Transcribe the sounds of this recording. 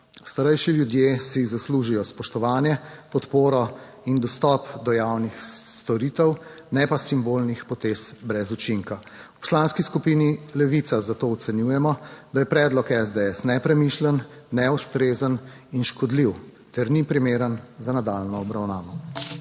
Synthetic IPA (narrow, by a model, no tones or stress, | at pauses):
st̪aɾɛjʃiljud̪jesizasluʒijɔspɔʃt̪ɔʋaːnjɛpɔt̪poːɾɔ | ind̪ɔst̪ɔpd̪ɔjawnixst̪ɔɾit̪ɛw | nɛpasimbolnixpɔt̪eːsbɾɛzut͡ʃiŋka | wpɔ̥slanskiskupinilɛʋit̪sazat̪oːw̪sɛnjujɛmɔd̪ajɛpɾɛːd̪lɔkɛzd̪eɛsnɛpɾɛmiʃlənːɛust̪ɾeːzən | inʃkɔd̪liw | t̪ɛɾnipɾimeːɾənzanad̪alnɔːbɾawnaːʋɔ